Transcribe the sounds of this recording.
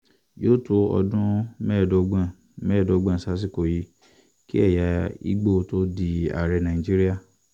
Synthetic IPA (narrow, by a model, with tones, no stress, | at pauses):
joː˦˨to˦ɔ̰˧dũ˦mɛ˦˨do˨˧ɡ͡bã˦˨ | mɛ˦˨do˨˧˦ɡ͡bã˦˨sa˦s̬i˦˨ko˨ji˧˦ | ki˦ɛ˦˨ja˨˦ḭ˦ɡ͡bo˦˨to˦di˧a̰˨ɾɛ˧nã˨ĩ˨d͡ʒi˦ɾi˦a˦˨